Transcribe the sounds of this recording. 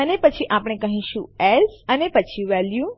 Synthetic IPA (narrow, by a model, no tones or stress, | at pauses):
ənepət͡ʃʰiʔapɳ̃ekəɦĩʃũɛlsənepət͡ʃʰiʋɛljũ